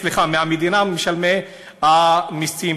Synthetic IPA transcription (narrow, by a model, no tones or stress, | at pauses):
liχameamed̪inameʃalme | amist͡sii